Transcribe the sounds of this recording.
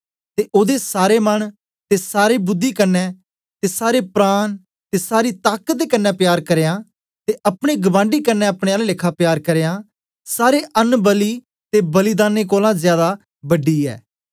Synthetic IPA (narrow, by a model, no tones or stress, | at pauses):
t̪eːʔoːd̪esaːɾeːməɳ | t̪eːsaːɾeːbʊd̪ːiːkənːɛː | t̪eːsaːɾeːpɾaːn | t̪eːsaːɾiːt̪aːkəd̪eːkənːɛːpjaːɾkəɾeːãː | t̪eːʔəpɽ̃eːɡəbãːɳɖiːkənːɛːɐpɽ̃eːaːllɪkʰaːpjaːɾkəɾeːjãː | saːɾeːʔənbəliː | t̪eːbəlɪd̪aːneːkoːlãːzjaːd̪aː | bəɖiːɛ̰ː